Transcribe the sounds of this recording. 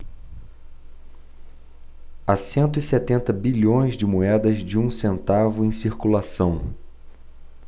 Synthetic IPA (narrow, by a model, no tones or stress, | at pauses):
asẽnt̪ʊisɛt̪ẽnt̪ɐbiʎõj̃zd͡ʒɪmoɛd̪ɐzd͡ʒɪũsẽnt̪avʊẽj̃siɾkulasɐ̃w̃